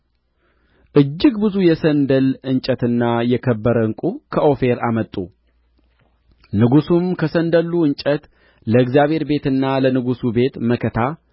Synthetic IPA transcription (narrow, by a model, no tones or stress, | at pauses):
ʔɨd͡ʒːɪɡbɨzujɛsənd̪əlɨɲt͡ʃʼət̪ɨnːajɛkʰəbːəɾəŋkʼukʰəʔofe̞ɾamət̪ʼːu | nɨɡusumkʰəsənd̪əlːuɨɲt͡ʃʼət̪ | ləɨɡzijaβhe̞ɾbe̞t̪ɨnːalənɨɡusube̞t̪məkʰət̪ʰa